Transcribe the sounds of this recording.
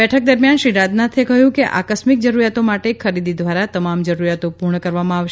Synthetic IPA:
bɛʈʰək̚d̪əɾmjanʃiɾad̪nat̪ʰekəɦjũkeʔa̰kəsmik̚d͡ʒəɾuɾjat̪omaʈekʰəɾid̪id̪ʋaɾat̪əmamd͡ʒəɾuɾjat̪opuɾɳəkəɾʋamãaʋʃe

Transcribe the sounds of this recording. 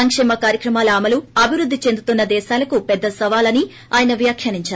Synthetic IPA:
ɐŋkʂɛːmɐkaːɾjɐkɾɐmaːlɐːmɐluɐbʱiʋɾud̪ʱːit͡ʃe̞nd̪ut̪unːɐd̪ɛːʃaːlɐkupɛd̪ːɐsɐʋaːlɐni | aːjɐnɐʋjaːkʰjɐːniɲt͡ʃaːɾu

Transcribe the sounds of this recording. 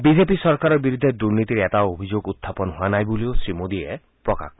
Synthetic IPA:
bid͡ʒepisɔɾkaɾɔbiɾud̪ʱːed̪uɾnit̪iɾeet̪aobʱid͡ʒoɡut̪ʰːapɔnɔɦoanajbuliosɾimod̪ie | pɾɔka̰kʰ

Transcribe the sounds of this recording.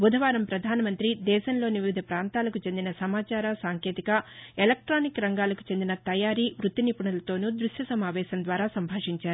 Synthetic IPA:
bud̪ʱɐʋaːɾɐmpɾɐd̪ʱaːnɐmɐnt̪ɾid̪ɛːʃɐnlo̞ːniʋiʋid̪ʱɐpɾaːnt̪aːlɐkut͡ʃe̞nd̪inɐsɐmaːt͡ʃaːɾɐsaːŋkeːt̪ikɐelɐk̚ʈɾaːnikɾɐŋɡaːlɐku̥t͡ʃe̞nd̪inɐt̪ɐjaːɾiːʋɾut̪ːinipuɳɐlɐt̪o̞ːnud̪ɾuʂjɐsɐmaːʋɛːʃɐnd̪ʋaːɾaːsɐmbʱaːʂiɲt͡ʃaːɾuu

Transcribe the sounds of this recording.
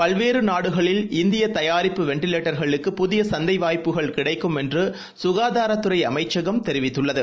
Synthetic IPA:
pɐlʋeːɾɯnaːɽɯɣɐɭɪlɪnd̪ɪjɐt̪ɐjaːɾɪpːɯʋɛɳʈɪleːʈːɐɾɣɐɭɯkːɯpʊðɪjɐsɐnd̪ɐɪʋaːjpːɯɣɐɭkɪɽɐɪkːɯmɛndrɯ | sʊɣaːðaːɾɐt̪ːɯɾɐɪɐ̰mɐɪt͡ʃːɐɣɐmt̪ɛɾɪʋɪt̪ːɯɭːɐðɯ

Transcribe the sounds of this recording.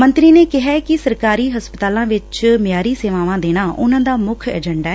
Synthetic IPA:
mənt̪ɾiːneːkɪɦaːkɪsəɾkaːɾiːɦəspət̪aːlãːʋɪt͡ʃmɪjaːɾiːseːʋaːʋãːd̪eːɽ̃ãːʔʊnãːd̪aːmʊkʰɛ̰ːd͡ʒəɳɖaːɛ

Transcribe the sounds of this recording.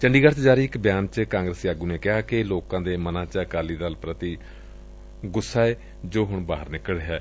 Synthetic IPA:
t͡ʃəɳɖiːɡəɾt̪d͡ʒaːɾiːɪkbjaːnt͡ʃkãːŋɡɾəsjaːɡuːneːkɪɦaːkɪloːkãːd̪eːmənãːt͡ʃəkaːliːd̪aːlpɾət̪iː | ɡʊsːaːeː | d͡ʒoːɦʊɳba̰ːɦəɾnɪkəɽɦɛː

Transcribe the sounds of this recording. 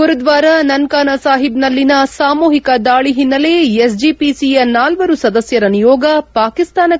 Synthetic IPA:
uɾud̪ʋaːɾɐnɐnkaːnɐsaːɦibnɐlːinɐsaːmuːɦikɐd̪aːɭiɦinːɐle̞es̬d͡ʒiːpisijɐnaːlʋɐɾusɐd̪ɐsjɐɾɐnijɔːɡɐpaːkist̪aːnɐ

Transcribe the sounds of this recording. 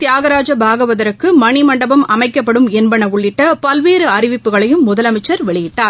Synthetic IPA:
t̪jaːɣɐɾaːd͡ʒɐbʱaːɣɐʋɐðɐɾɯkːɯmɐɳɪmɐɳɖɐbɐmɐmɐɪkːɐpːɐɽɯmɛnbɐɳɐʊɭːɪʈːɐpɐlʋeːɾɯɐɾɪʋɪpːɯɣɐɭɐjɯmːʊðɐlɐmɐɪt͡ʃːɐɾʋɛɭɪjɪʈːaːɾ

